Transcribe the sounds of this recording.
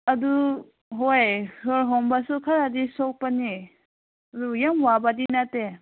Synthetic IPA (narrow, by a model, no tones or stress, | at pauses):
adu | ɦojhɯɾɦɔmbasukʰaɾadisɔk̚pani | ɐdujamwabadinate